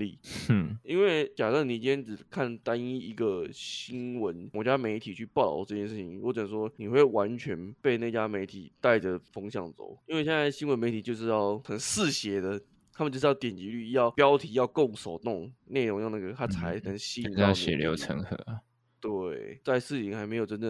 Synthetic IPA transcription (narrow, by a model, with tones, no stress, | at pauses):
lḭ˥˨˩i˥nwe˥˩ɪt͡ɕja˨˩ta˥˩ni˨˩t͡ɕi˥jɛ˥nʈ͡ʂɻ̩˨˩kʰa˥˩nt̪a˦˥ni˥i˧˥ɡə˨ɕɕi˥nwə˧˦nwɔ˧˦˥t͡ɕja˥me˧˥ɪt̪ʰi˨˩t͡ɕʰy˥˩pɑ˥˩ʊlɑ̰˨˩ʈ͡ʂɤ˥˧˩t͡ɕjɛ˥˧ʂɻ̩˥˩t͡ɕʰi˩ŋwɔ˧˦˥ʈ͡ʂə˨˩˨ʂwɔ˥ni˨˩xwe˥˩ɪwa˧˦nt͡ɕʰɥɛ˧˥npe˥˧ɪna˥˩t͡ɕja˥me˧˥ɪt̪ʰḭ˨˩t̪a˥˩ɪʈ͡ʂə˩fɤ˥ŋɕjɑ˥˩ŋt͡so̰˨˩˦ʊi˥nwe˥˧ɕjɛ˥nt͡sa˥˩ɪɕi˥nwə˧nme˧˥ɪt̪ʰi˨˩t͡ɕjo˥˧ʊʂ̬ɻ̩˥˧jɑ˥˩ʊxə˨˩nsɹ̩˥˨˩ɕjɛ˧˥d̪ə˧ | t̪ʰa˥mə˨t͡ɕʂ̬ɻ̩˥jt̪jɛ˨˩nt͡ɕi˧˥ly˥˧jɑ˥˩ʊpjɑ˥ʊt̪ʰi˧˥jɑ˥˧ʊko˥˩ŋʂo˨˩ʊt̪ʊ˥˩ŋne˥˩ɻo˧˥ŋjna˥˩ɡə˩t̪ʰa˥t͡sʰa˧˥ɪnə˧˥ŋɕi˥˧˥ɕɛ̰˨˩ljo̰˧˥ʊʈ͡ʂʰə̰˧˥ŋxɤ̰˧˥˦ | t̪we˥˩ɪt͡sa˥˧ɪʂɹ̩˥˧i˧˩ŋxa˧˥ɪme˧˥ɪjo˨˩ʊʈ͡ʂə˥˦nd̪ə˥˩